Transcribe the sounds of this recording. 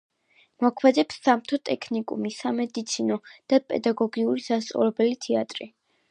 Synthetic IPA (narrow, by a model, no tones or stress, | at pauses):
mɔkʰwɛd̪ɛpsːamt̪ʰɔt̪ʼɛkʰnikʼṵmisamɛd̪it̪sʰinɔd̪̥apʼɛ̰d̪aɡɔɡiuɾisast̪sʼɔ̰lɛbɛlit̪ʰɛat̪ʼɾi